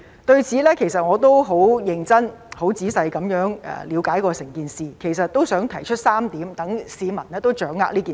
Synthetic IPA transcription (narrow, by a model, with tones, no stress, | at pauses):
t̪ɵ˧ɥt͡sʰiː˨˥lɛː˥kʰe˨˩jsɐ˨t̚ŋɔː˨˧t̪o˥wɦo˨˥wjɪ˨˧ŋt͡sɐ˥nho˨˥wt͡siː˨˥sɐ˧jkɐ˨˧˥mjœː˨˥ŋɛ̰ː˨li˨˧wkaː˨˥jkɔː˧sɪ˨˩ŋkiː˨nsiː˨kʰe˨˩js̬ɐ˨t̚t̪o˥wsœː˨˥ŋt̪ʰɐ˨˩jt͡ʃʰɵ˥t̚saː˥mt̪iː˨˥mt̪ɐ˨˥ŋsiː˨˧mɐ˨˩nlɛː˥t̪o˥wt͡ʃœː˨˥ŋːa̰ː˧˥liː˥kiː˨